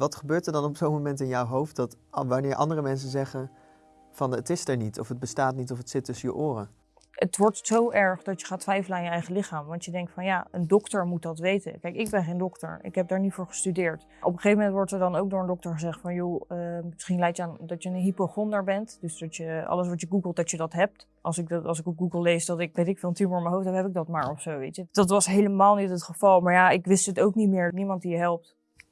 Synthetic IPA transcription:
ʋɑtχəbøːtəɹdɑnɔpsowmomɛntɪnjɔwɦowft̚dɑtʋanɪːɹʔɑ̰ndərəmɛns̬ənzɛχən | fɑnətɪsɛɹnitɔfəd̚bəstaːtnitɔfətsɪtːɵsəjəʔʊːrə | ətʋɔɹtsowʔɛɹχdɑtjəχaːtʋɛjfələaːnjəɛjχəlɪχaːmʋɑntjədɛŋk̚tfɑnjaːəndɔktəɹmut̚dɑtʋejtə̰nkɛjkɪɡ̚bɛnχejndɔktə̰ɹɪ̰kɦɛp̚daːɹnitfʊːɹχə̥stydɪːɹt | ʔɔpəχejvəmɛntʋɔɹtəɹdɑnowk̚dʊːɹəndɔktəɹχəzɛχtfɑnjoəmɪsχinlɛjkjəaːndɑtjənənɦipoχɔndaɹbɛntdøsdɑtjəɑ̰ləs̬ʋɑtəɡuɡəlˠt̚dɑtjədɑtɦɛp̚t | ʔɑ̰lˠsɪk̚dtɑ̰lˠsɪkɔɡuɡəlˠlejsdɑtɪkʋejtɪkfɪlˠntyməɹɪməɦowftɦɛpɦɛpɪɡ̚dɑtmaːɹɔfsowʋejtəd̥ɑt̬ʋɑsɦejləmaːlˠnitɦətχəvɑlˠmaːɹjaɪkʋɪstɦətowknitmɪːɹnimɑnt̚dijəɦɛlˠp̚t

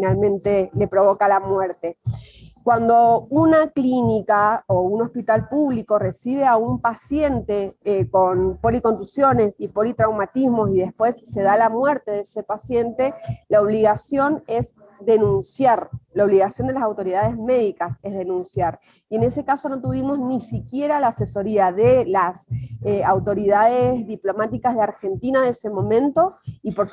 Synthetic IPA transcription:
finalmẽ̞nt̪ele̞pɾo̞βo̞kalamweɾt̪e̞kwand̪o̞unaklinikaouno̞spit̪alpuβlikore̞siβ̞e̞aumpasje̞nt̪eko̞npo̞liko̞nt̪usjo̞ne̞sipo̞lit̪ɾawmat̪izmo̞siðe̞spwe̞sːe̞ðalamwe̞ɾt̪e̞ðesepasje̞nt̪e̞laoβ̞liɣasjo̞ne̞z | ðe̞nũnsjaɾlaoβliɣasjo̞nd̪e̞lasawt̪o̞ɾiðað̞ezme̞ðikase̞zðe̞nũnsjaɾ | ie̞ne̞se̞kaso̞no̞t̪uβ̞imo̞znisikje̞ɾalaːse̞so̞ɾiaðelaseawt̪o̞ɾiðaðezðiplo̞mat̪ikazðeaɾxe̞nt̪inaðeese̞mõ̞mẽ̞nt̪o̞ipo̞ɾ

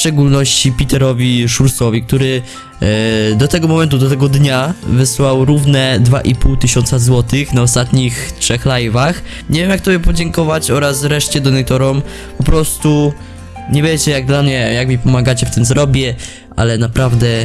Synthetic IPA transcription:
fʂt͡ʂɛɡulnɔɕt͡ɕipʲit̪ɛɾɔvʲiʂuɾsɔvʲik̚t̪uɾɘ | d̪ɔt̪ɛɡɔmɔmɛnt̪̬ud̪ɔt̪ɛɡɔd̪ɲavɘswawɾuvnɛd̪va̰ʔipuwt̪ɘɕɔnsazwɔt̪ɘxnaɔst̪at̪ɲixtʂɛxlajvax | ɲevʲjemjak̚t̪ɔbʲɛpɔd͡ʑɛŋkɔvat͡ɕɔɾasvɾɛʂt͡ɕɛd̪ɔnɛt̪ɔɾɔm | pɔpɾɔst̪u | ɲɛvʲjɛt͡ɕɛjaɡ̚d̪lamɲɛjakmʲipɔmaɡat͡ɕɛft̪ɘmzɾɔbʲjɛ | ʔa̰lɛnapɾavd̪ɛ

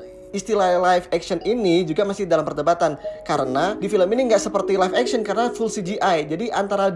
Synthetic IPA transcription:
ist̪ilalajfɛksəninid͡ʒuɡamasɪhdalampərdəbat̪ankaɾənadifiləminiŋɡaʔsəpərt̪ilajfɛkʃənkaɾənafulsid͡ʒiʔajd͡ʒadiʔant̪aɾad

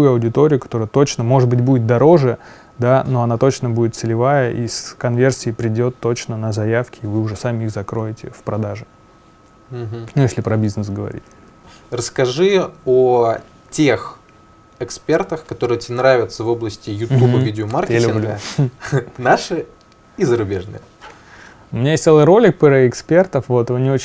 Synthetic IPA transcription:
ujʊɐwdʲɪt̪o̞ɾʲɪjʊkɐ̥t̪o̞ɾəjət̪o̞t͡ɕnəmo̞ʐɨt̪̚bɨtʲbudʲɪt̪̚d̪ɐɾo̞ʐɨ | d̪ano̞ɐnat̪o̞t͡ɕnəbudɪt̪sɨlʲɪvajəʔḭskɐnvʲe̞rsʲɪːpɾʲɪdʲo̞t̪ːo̞t͡ɕnənəzɐjafkʲʰɪːvɨʊʐɛsamʲɪixzɐkɾo̞jɪtʲɪ̰fpɾɐd̪aʐɨ | m̩ɦm̩nujesʲlʲɪpɾɐbʲiznəsɡəvɐ̰ɾʲḭtʲ | rəskɐʐɨo | tʲex | ɛkspʲe̞rt̪əxkɐt̪o̞ɾɨjətʲenɾavʲɪt̪səvo̞blˠəsʲtʲɪjʊtmʲubɨidʲɪomarkʲjɪalʲʊblʲu | naʂɨ | izəɾʊbʲeʐnɨ̰jə | ʊmʲɪnʲajesʲt̪selˠɨjɾo̞lʲɪk̚pɨɾɛɪkspʲert̪əfvo̞t̪vɨnʲɪo̞t͡ɕ

